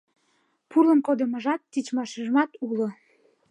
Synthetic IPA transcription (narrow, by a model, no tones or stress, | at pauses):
pulə̆mkod̪ə̆mə̆ʒɑt̪ːit͡ɕmɑʃiʒəmɑt̪ulŏ